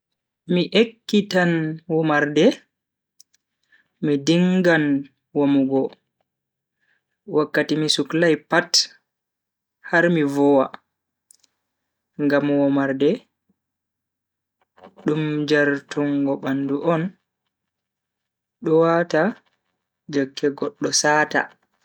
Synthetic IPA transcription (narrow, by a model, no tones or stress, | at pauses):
miʔekːitanwɔmaɾdɛ | midiŋɡan | wamuɡɔ | wakːatimisuklajpat | haɾmivɔwa | ŋɡamwɔmaɾdɛ | ɗumd͡ʒaɾtuŋɡɔɓanduʔɔn | ɗɔwata | d͡ʒokːɛɡɔɗːɔsaːta̰